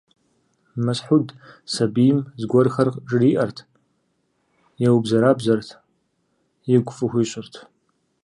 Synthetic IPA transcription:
mɐsħudsabijmzɡʷɔrxɐrqʼʈ͡ʂʼɨriʔɐrtʰ | jawbzɐɾabzɐrtʰ | jɪɡʷʼfɨxʷiɕʷʼʊrtʰ

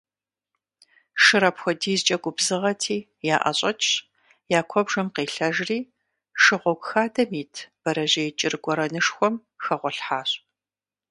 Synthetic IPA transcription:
ʂɨɾɐpxʷɔdiːzt͡ʃʼɐɡʷʊbzɨʁɐtʰiː | jaːʔɐ̰ɕʼɐt͡ʃʼ | jaːkʷʰɔbʐɐmqeːɬɐʒriː | ʂɨʁʷɔɡʷxaːdɐmiːtʰb̥ɐɾɐʑɐjt͡ʃʼɪrɡʷɔɾɐnɨʂxʷɔm | xɐʁʷɔɬħaːɕʼ

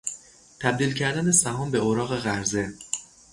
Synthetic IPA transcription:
t̪ʰæb̚d̪iːlcʰæɾd̪ænesæɦɒːmbe̞oɾɒːɣe̞ɣæɾze̞

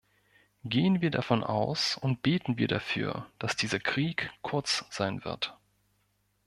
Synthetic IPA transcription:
ɡeːənviːɐdafɔnʔa̰ʊsʊnt̚b̥eːtn̩viːɐdafy̰ːɐd̥asd̥iːzɐkʁ̥iːkkʰːʊɐt͡sz̥aɪnvɪ̰ɐt

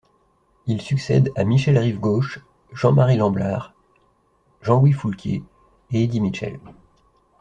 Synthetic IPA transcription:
ilsyksɛ̰d̪amiʃɛlʁivɡoʃ | ʒ̥ɑ̃maʁilɑ̃blaʁ | ʒɑ̃lwifulkʲḛ | eed̪imiʃɛ̰l

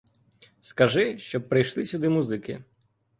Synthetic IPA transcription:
skɐʒɪʃt͡ʃɔpːɾɪjʃlˠɪsʲud̪ɪmuzɪkɪ̰

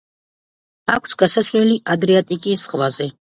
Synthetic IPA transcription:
akʷʰsɡasaslɛliʔad̪ɾɛat̪ʼikʼisχvazɛ

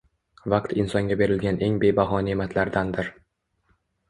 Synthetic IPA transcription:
vɑqt̪ɪnsɒŋɡʲabe̞ɾɪlɡʲanʔe̞ŋbe̞baɦɒnemat̪ʰlaɾd̪and̪ɪɾ

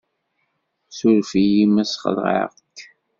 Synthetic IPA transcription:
sʊɾfijimæsχə̰ðʁə̰ʁ | k

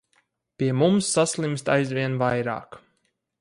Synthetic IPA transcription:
pʲiɛmumsːaslˠimst̪ajzvʲiɛnvajɾa̰ːk

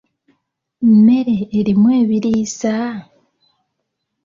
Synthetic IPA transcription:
me̞ɾeːɾimwe̞ːβiɾiːsa

